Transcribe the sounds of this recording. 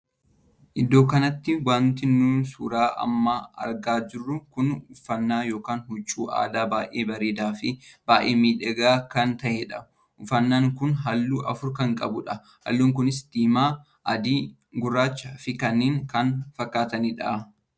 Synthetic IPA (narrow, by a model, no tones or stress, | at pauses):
ʔɪd̪o̞ːkɐnɐt̪ːɪwaːnt̪ɪnːuːnsṵːɾaːʔɐ̰mːaːɐ̰ɾɡaːd͡ʒɪrːʊkʊnʊfɐnːaːjo̞ːkaːnɦʊt͡ʃːuːʔa̰ːd̪aːbaːʔeːbɐɾeːd̪aːfɪb̥aːʔḛːmiːᶑɛɡaːkɐnt̪ɐʔɛᶑɐ | ʊfɐnːaːŋkʊnɦɐlːuːʔɐfʊɾkɐŋkʼɐ̰bʊᶑɐ | hɐ̰lːuːŋkʊnɪsd̪̥iːmaː | ʔɐd̪iː | ɡʊrːaːt͡ʃːɐfɪkɐnːeːŋkɐnfɐkːaːt̪ɐnɪᶑɐ̰ʔ